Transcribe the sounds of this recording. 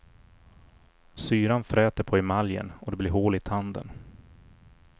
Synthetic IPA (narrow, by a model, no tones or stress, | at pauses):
syːɾanfɾɛːt̪əɾpʰɔɪmaljə̰nɔd̪ɛblɪɾɦoːlɪt̪ʰand̪ə̰n